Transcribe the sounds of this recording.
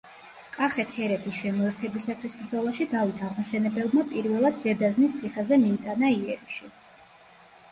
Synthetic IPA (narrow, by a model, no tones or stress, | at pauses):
kʼaχɛt̪ʰhɛɾɛt̪ʰisʃɛmɔɛɾt̪ʰɛbisat̪ʰwisbɾd̪zɔlˠaʃid̪avit̪ʰaʁmaʃɛnɛbɛlˠmapʼiɾvɛlˠad̪z̥ɛd̪aznist̪sʰiχɛzɛmiːt̪ʼanaiɛɾiʃi